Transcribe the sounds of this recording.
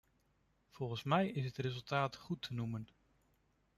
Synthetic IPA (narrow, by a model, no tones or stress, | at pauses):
v̥ɔlˠχənsmɛjɪsətrezɵlˠtaːtχutʰənumən